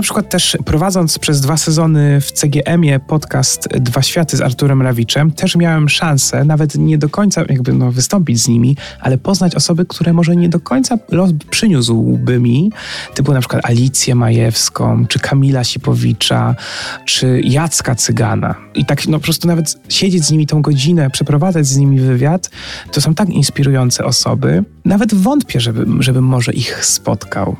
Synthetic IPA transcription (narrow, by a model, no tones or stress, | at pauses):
napʂɘkwat̪ːɛʂpɾɔvad̪zɔnt̪spʂɛzd̪vasɛzɔnɘft̪sɛɡʲjɛʔɛmʲjɛpɔt̪kast̪d̪vaɕfʲjat̪ɘza̰ɾt̪uɾɛmɾavʲit͡ʂɛmt̪ʰɛʂmʲjawɛmʂãnsɛnavɛt̪ɲɛd̪ɔkɔɲt̪sajaɡ̚bɘnɔvɘst̪ɔmpʲid͡ʑzɲimʲiʔa̰lɛpɔznat͡ɕɔsɔbɘkt̪ʰuɾɛmɔʐɛɲɛd̪ɔkɔɲt̪salɔspʂɘɲuswbɘmʲit̪ɔbɘwɔnapʂkwat̪alʲit̪sʲjɛmajɛfskɔ̰̃w̃t͡ʂɘkʰamʲilaɕipɔvʲit͡ʂat͡ʂɘjat̪skat̪sɘɡa̰na̰ʔit̪aknɔpɔpɾɔst̪unavɛt̪ɕed͡ʑed͡ʑzɲimʲit̪ɔ̃w̃ɡɔd͡ʑinɛpʂɛpɾɔvad̪zad͡ʑzɲimʲivɘvʲjat̪ːɔsɔ̃w̃t̪akḭnspʲiɾujɔnt̪sɛ̰ʔɔsɔ̰bɘnavɛd̪vɔnt̪pʲjɛʐɛbɘʐɛbɘmːɔʐɛʔixspɔ̰t̪kʰa̰w